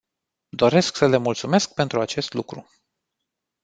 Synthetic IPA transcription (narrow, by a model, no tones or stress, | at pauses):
d̪o̞ɾe̞sksəle̞mult̪sume̞sk̚pe̞nt̪ɾuat͡ʃe̞st̪lukɾu